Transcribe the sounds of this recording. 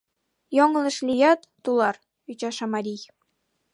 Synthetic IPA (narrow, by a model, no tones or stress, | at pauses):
joŋlɤ̆ʃlʲijɑt̪ːulˠɑr | yt͡ɕɑʃɑmɑɾʲij